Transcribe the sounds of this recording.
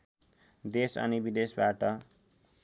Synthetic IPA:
d̪esʌ̰nibid̪esbaʈʌ

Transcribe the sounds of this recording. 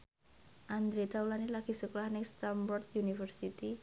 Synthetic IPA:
ʔand̪ɾit̪aulanilaɡ̥i̤suklahnɪŋst̪ambɔrd̪junifərsit̪i

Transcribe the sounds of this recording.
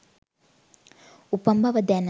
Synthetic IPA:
upəmbʱɐʋəd̪ɛn

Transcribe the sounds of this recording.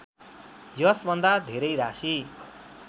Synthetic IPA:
jʌsbʱʌnd̪ad̪ʱeɾʌjɾasi

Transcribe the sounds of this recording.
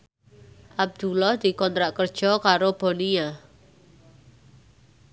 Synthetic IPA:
ʔab̚d̪̥ulɔhd̪̥i̤kɔnt̪ɾaʔkərd̥ʒ̥ɔkaɾob̥ɔ̤nia

